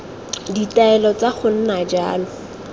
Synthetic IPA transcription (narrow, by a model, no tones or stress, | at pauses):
ditaɛlɔt͡saχʊn̩nad͡ʒa̰ːlɔ